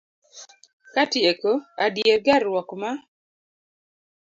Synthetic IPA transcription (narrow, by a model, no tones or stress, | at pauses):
katjekoadjerɡaɾwɔkma